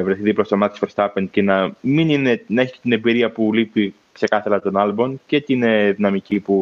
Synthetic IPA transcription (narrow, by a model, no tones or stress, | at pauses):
vɾeθiðiplost̪omɐt̪isfoɾst̪ɐpencenɐminine̞nɐeçi̥ce̥t̪inebiɾiɐpulipi | kse̞kɐθɐlɐt̪o̞nɐlbo̞nce̞t̪ineðinɐmicipu